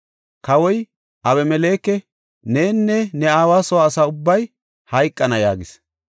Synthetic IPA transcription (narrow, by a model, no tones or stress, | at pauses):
kɐwɔj | ʔɐwɛmɛle̞ːkːɛ | neːnːɛnɛaːwaːsɔwaːsaːʊbːɐj | hɐjkʼːɐnɐja̰ːɡɪs